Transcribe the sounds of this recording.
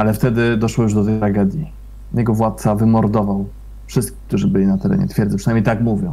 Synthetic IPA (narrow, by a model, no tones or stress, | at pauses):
alɛft̪ɛd̪ɘd̪ɔʂwɔjuʐd̪ɔt̪ɛjt̪ɾaɡɛd̪ʲji | jɛɡɔvwat̪̚t̪savɘmɔɾd̪ɔvaw | fʂɘst̪kʲi̥kt̪uʐɘbɘlʲinat̪ɛɾɛ̰ɲɛ̰t̪fʲjɛɾd̪ɛpʂɘnajmejt̪akmuvʲjɔ̃w̃